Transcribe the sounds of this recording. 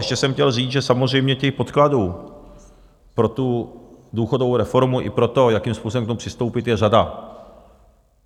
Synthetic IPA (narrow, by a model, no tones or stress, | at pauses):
ɛʃcɛsɛmxcɛlriːt͡sʒɛsamozrɛjmɲɛcɛxpo̞t̪kladuː | pɾo̞t̪uduːxodovowɾɛfo̞ɾmuʔɪ̰pɾo̞t̪o̞jakiːmspuːsobɛmkt̪omupr̥ɪst̪owpɪt̪jɛrada